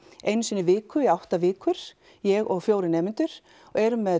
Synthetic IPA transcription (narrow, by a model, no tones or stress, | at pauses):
ejnsɪnːɪvɪːkʏiawht̪avɪːkʏɾ̥ | jɛɣɔɣfjoːwɾɪnɛːmɪnt̪ʏɾ̥ | ɔɣɛɾʏmɛð